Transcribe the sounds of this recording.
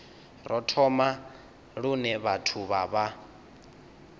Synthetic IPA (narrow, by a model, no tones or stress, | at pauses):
ɾɔtʰɔma | ɺunɛβatʰuβaβa